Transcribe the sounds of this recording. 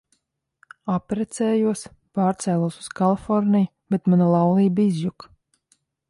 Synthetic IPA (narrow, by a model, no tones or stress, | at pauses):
apɾɛt̪sɛːjuɔs | paːɾt̪sɛːlˠuɔsu̥skalˠifɔɾnʲij | b̥ɛt̪manalˠawlˠiːbizjuk